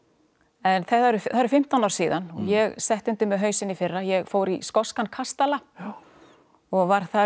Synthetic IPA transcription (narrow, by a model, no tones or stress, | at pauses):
ɛnθɛt̪ːaɾʏθaðɾfɪm̥t̪awnawɾ̥siːðanɔ̰ɣjɛɣsɛht̪ʏnt̪ʏmɛðɦœːɥsɪnifɪrːajɛɣfoːwɾiskɔskankʰast̪ala | ɔɣvaɾ̥θa